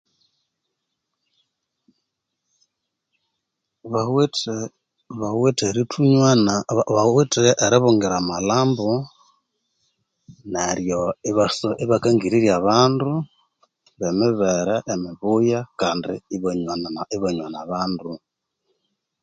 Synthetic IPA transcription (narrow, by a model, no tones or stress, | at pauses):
βawt | βaweteɾitʰuɲwanaβawitʔːɾiβuŋɡiɾamalaːmbo | neɾjoiβasoʔiβakaŋɡiɾiɾjaβaːndu | βemɪβɛɾɛʔːmiβujakaːndḭiβɲaniβaɲwanaβaːndu